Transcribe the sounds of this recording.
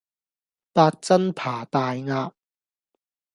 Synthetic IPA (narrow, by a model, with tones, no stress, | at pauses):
paː˧t̚t͡sɐ˥npʰaː˨˩t̪aː˨jŋaː˧p̚